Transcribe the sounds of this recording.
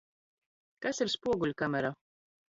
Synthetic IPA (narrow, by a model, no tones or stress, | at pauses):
kasiɾspuɔɡulʲkamʲɛɾa